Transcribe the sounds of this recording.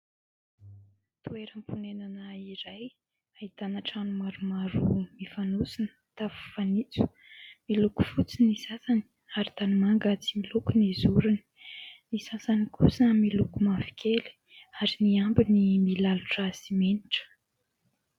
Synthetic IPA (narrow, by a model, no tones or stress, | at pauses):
t̪ueɾəmpunenanaiɾaj | ait̪anaʈ͡ʂanumaɾumaɾumifanusinə̥ | t̪afu̥fanit͡su̥ | miluku̥fut͡sinisasani̥ | aɾit̪animaŋɡat͡similukunizuɾuni̥nisasanikʰusəmilukumafi̥kʰʲeli̥ | aɾiniambinimilaluʈ͡ʂasimeniʈ͡ʂə̥